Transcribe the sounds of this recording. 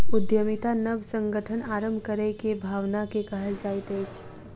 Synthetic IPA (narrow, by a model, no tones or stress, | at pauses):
ʊd̪jəmit̪anəbsə̃ŋɡəʈʰənaːɾə̃mbʱkəɾekebʱaːʋnakekɐɦəlt͡ʃaːit̪eːt͡ʃʰ